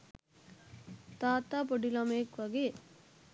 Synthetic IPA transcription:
t̪aːt̪apɔɽilamekʋɐɡe

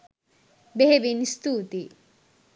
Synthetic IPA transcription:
beɦebinist̪ut̪i

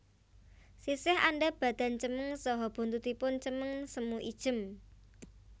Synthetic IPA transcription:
sisɪha̰nɖab̥ä̤d̪̥a̤nt͡ʃəməŋsɔɦɔb̥ṳnt̪ut̪ipʊnt͡ʃəməŋsəmuʔid̥ʒ̥ə̤m

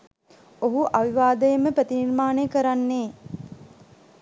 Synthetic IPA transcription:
oɦuʔaʋiʋaːd̪əjəməpɾət̪inirmaːnejkəɾanːeː

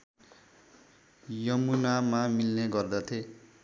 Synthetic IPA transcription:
jʌmunamamilneɡʌrd̪ʌt̪ʰe

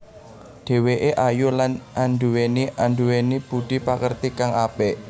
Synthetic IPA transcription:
ɖ̪̥e̤weʔeʔajulanʔanɖ̪uweniʔanɖuwenib̥ud̪̥i̤pakərt̪ikaŋapeʔ

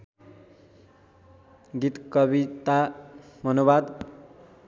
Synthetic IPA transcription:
ɡit̪kʌbit̪amʱʌnubad̪

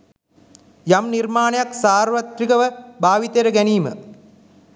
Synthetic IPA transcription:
jamnirmaːnejaksaːrʋɐt̪ɾikəʋəbʱaːʋit̪ejɾəɡæniːmə̰

